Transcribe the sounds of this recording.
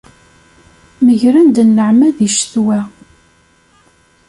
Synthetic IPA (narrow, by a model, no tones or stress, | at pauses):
məʝɾænd̪ənːəʕmæðiʃθwæ